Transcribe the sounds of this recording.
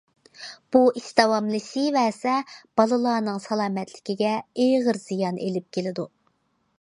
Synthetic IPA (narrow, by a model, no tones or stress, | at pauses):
b̥uʔist̪ɑwɑmlˠɨsivɛːsɛb̥ɑlˠɨlˠɑːnɨŋsɑlˠɑːmɛt̪ʰlɪ̥kʲiɡʲɛejʁəɾz̥ijɑnʔḛlɪp̚kʲʰelɪd̪u